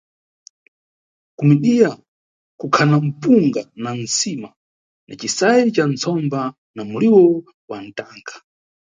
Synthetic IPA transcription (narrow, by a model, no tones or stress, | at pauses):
kumiɗija | kukʰanam̩puŋɡanan̩sima | nʔa̰t͡ʃisajɛt͡ʃant͡sʰɔmba | namuliwɔ | wan̩taːŋkʰḁ